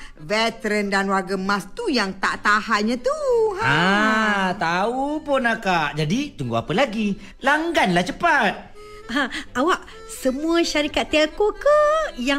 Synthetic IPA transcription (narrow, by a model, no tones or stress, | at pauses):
vɛt̪əɾəndanwaɡəmast̪ujaŋt̪a̰ʔt̪ahaʔɲãt̪uɦaa | t̪aupɔnakaʔd͡ʒadit̪uŋɡua̰pəlaɡi | laŋɡanlaht͡ʃəpat̪̚ | ãawaʔ | səmũəʃaɾikat̪ːakokəja